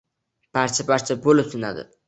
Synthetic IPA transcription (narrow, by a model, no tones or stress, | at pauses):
b̥aɾt͡ʃʰabaɾt͡ʃʰabolɪpsɪna̰d̪ɪ̰